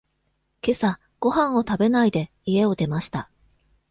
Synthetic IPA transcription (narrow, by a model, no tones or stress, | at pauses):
ke̞sa | ɡ̥o̞ɦãɰ̃o̞t̪abe̞naid̪e̞ | ie̞o̞d̪e̞maɕi̥t̪a